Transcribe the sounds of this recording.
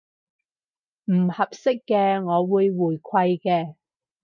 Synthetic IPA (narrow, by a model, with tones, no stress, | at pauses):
m̩˨˩hɐ˨p̚sɪ˥kːɛː˧ŋɔː˨˧wuː˨˧jwuː˨˩jkʷʰɐ˧jkɛː˧